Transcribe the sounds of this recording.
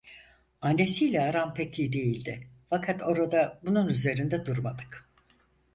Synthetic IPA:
anːe̞silʲɛaɾampʰecʰid̪e̞jilʲd̪ɪfakʰat̪ʰo̞ɾad̪abununyze̞ɾind̪ɛd̪uɾmad̪ɯk

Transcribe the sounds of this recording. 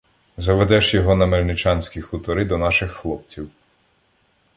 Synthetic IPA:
zɐʋed̪ɛʃjɔɦɔnɐmelʲnɪt͡ʃɑnʲsʲkʲixʊt̪ɔɾɪd̪ɔnɑʃɪxːlˠɔp̚t͡sʲiw

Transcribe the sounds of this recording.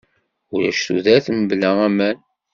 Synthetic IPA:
ʊɾæ̰ʃθuðæθmblææmæn

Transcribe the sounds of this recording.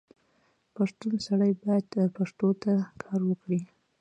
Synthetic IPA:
paʂt̪unsaɽajbɑjad̪paʂt̪ot̪akʰɑɾwəkɽi

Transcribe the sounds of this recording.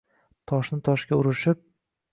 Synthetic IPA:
t̪ʰɒʃnɪt̪ʰɒʃɡʲaʊɾɪʃɪp̚

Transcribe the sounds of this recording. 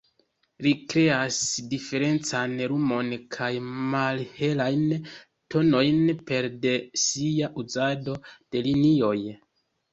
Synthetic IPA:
likɾe̞asdife̞ɾe̞nt͡sanɾumo̞nkʰajmalhe̞lajn | to̞no̞jnpe̞ɾde̞siaʔuzado̞d̥e̞linio̞j

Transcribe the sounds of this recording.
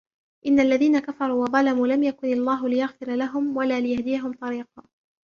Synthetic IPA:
ʔɪnːaʔlːaðiːnakafɑɾˤuːwɑðˤɑlamuːlamjakʊnɑlˤːaːɦʊlɪjaɣfɪɾlaɦʊmwalaːlɪjahd̪ɪjaɦʊmt̪ˤɑɾiːqɑː

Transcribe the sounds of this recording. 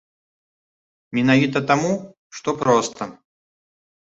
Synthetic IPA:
mʲinavʲit̪̬ɐt̪amu | ʂt̪ɔpɾɔst̪ʰɐ

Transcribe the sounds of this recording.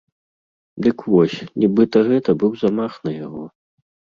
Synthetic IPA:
d̪ɨkvɔsʲnʲibɨt̪ɐɣɛt̪ɐbɨwzamaxnɐja̰ɣɔ

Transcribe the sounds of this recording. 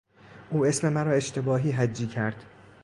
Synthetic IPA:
ʔuːe̞sme̞mæɾɒːe̞ʃt̪ʰe̞bɒːɦiːɦæd͡ʒːiːcʰæɾd̪̥

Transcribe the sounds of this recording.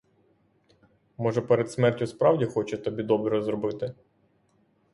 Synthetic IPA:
mɔʒɛpeɾed̪smɛrtʲʊspɾɑwdʲixɔt͡ʃɛt̪ɔbʲid̪ɔbɾiɔzɾɔbɪt̪ɪ

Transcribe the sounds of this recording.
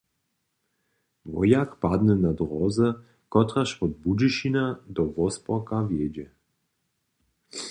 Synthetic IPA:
vɔ̰jakpad̪nɛnad̪ʁɔzə | kɔt̪ɾaʃpɔd̪̚bud͡ʒiʃinad̪ɔvɔspɔkavjeːd͡ʒɛ

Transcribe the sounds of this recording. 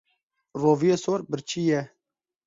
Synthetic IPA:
roːvijesoːɾbəɾt͡ʃʰijɛ

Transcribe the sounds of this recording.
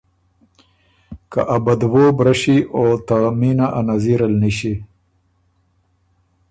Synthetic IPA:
ka̰ʔabad̪wobɾaʂiʔot̪aminaʔanaziɾalniɕi

